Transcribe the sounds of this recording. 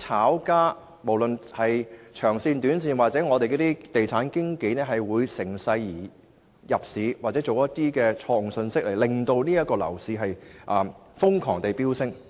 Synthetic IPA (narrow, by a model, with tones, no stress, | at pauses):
t͡sʰaː˨˥wkaː˥ | mo˨˩wlɵ˨nhɐ˨jt͡ʃʰœː˨˩ŋsiː˧nt̪yː˨˥nsiː˨˧nwaː˨k̚t͡sɛː˨˥ŋɔː˨˧t̪e˨kɛ˧˥t̪iː˥t̪e˨jt͡sʰaː˨˥nkɪ˥ŋke˨˥jnɛː˥ɦɐ˨jwuː˨˧jsɪ˨˩ŋsɐ˧jːiː˨˩ | jɐ˨p̚siː˨˥waː˨t͡sɛː˨˥t͡so˨wjɐ˥tt̪iː˥kɛː˧t͡ʃʰɔː˧ʊ˨˩ŋsɵ˧nsɪ˥k̚le˨˩jlɪ˨ŋt̪o˧wniː˥jɐ˥kɔː˧lɐ̰˨˩wsiː˨˧ɦɐ˨jʔɐː˨ | fʊ˥ŋkʰɔː˨˩ŋt̪e˨jpiː˥wsɪ˥ŋ